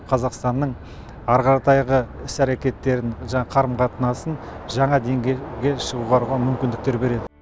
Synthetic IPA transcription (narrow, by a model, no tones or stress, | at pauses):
qʰɑzɑqst̪ɑnːəɴ | ɑɾqɑɾɑt̪ɑjʁəɪsæɾekʲe̞t̪ːe̞ɾɪɴʒɑɴɑqʰɑɾəmqɑt̪ənɑsənʒɑɴɑd̪e̞ŋɡʲeɡʲe̞ʃəʁuʁɑɾʁɑmʏmkʲɪnd̪ɪk̚t̪e̞ɾbe̞ɾe̞d̪ɪ